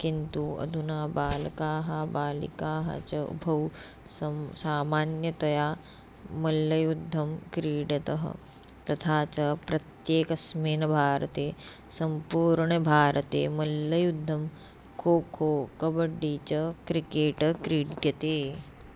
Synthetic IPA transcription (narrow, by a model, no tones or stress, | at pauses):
kint̪uɐ̰d̪ʱunaːbaːlɐkaːɦɐbaːlḭkaːɦɐ̰t͡ʃɐṵbʱɐw | sɐsaːmaːnjɐt̪ɐjaː | mɐlːɐjud̪ʱːɐmkɾiːɖɐt̪ɐɦɐ̰ | t̪ɐt̪ʰaːt͡ʃɐpɾɐt̪jeːkɐsmeːnɐbʱaːɾɐt̪eː | sɐmpuːɾɳɐbʱaːɾʔɐt̪ḛːmɐlːɐjud̪ʱːɐm | kʰoːkʰoːkɐbɐɖːit͡ʃɐkɾikeːʈɐkɾiːɖjɐt̪eː